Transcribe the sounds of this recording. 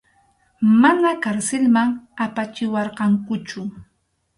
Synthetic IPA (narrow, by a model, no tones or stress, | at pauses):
manakaɾsɪlmaŋapat͡ʃɪwɑɾqɑŋkʊt͡ʃʊ